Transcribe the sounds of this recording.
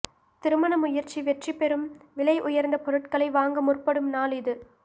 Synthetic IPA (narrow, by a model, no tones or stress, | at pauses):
t̪ɪɾɯmɐnɐmʊjɐɾt͡ʃːiʋɛʈripːɛɾɯmʋɪlɐɪʔʊjɐɾnd̪ɐpɔɾɯʈkɐɭɐɪʋaːŋɡɐmʊrpɐɽɯmnaːlɪðɯ